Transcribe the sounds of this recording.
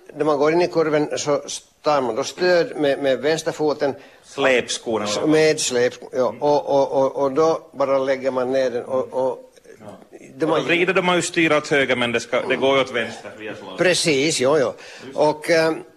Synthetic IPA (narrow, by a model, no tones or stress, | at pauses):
d̪æɾmanɡoːɾɪnːɪkʰɔɾvənsɔst̪ɑːɾmand̪ɔst̪øːd̪mɛmɛvɛnst̪əɾfuːt̪ən | leːpskuːɾameːd̪sleːpːjɑːʔɔʔɔʔɔʔɔd̪ɔbɑːɾalɛɡːəɾmanːeːɖ̪ɛnɔɔ | d̪ɛmaɾiːd̪əɖɔmajʉst̪yːɾaɔt̪høːɡamɛnd̪ɛska̰d̪ɛɡoːɾjɔt̪vɛnst̪əpʰɾɛsiːsjɑːjɑː | ʔɔkː